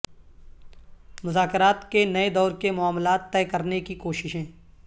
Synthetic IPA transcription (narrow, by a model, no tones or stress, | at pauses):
mʊzaːkɪɾaːt̪kenɐed̪ɔːɾkemʊaːmlaːt̪ːɛːkɐɾnekikoːʃɪʃɦɛ̃ː